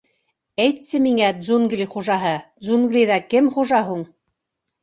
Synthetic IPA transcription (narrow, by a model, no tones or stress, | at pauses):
æjt̪sɘmiŋæd̪zunɡlʲiχuʒɑɦɤd̪zunɡlʲiðɑkɘmχuʒɑɦuɴ